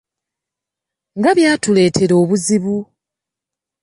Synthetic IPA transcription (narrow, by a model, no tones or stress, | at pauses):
ŋɡaβjaːtule̞ːtʰe̞ɾo̞ːβuziβu